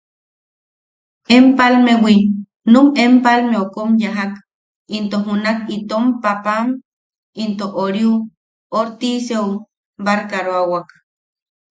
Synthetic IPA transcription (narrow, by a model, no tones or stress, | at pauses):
empalmewi | numempalmeokomjaɦak | int̪oɦunakit̪ompapam | int̪oʔoɾju | oɾt̪iseu | baɾkaɾoawak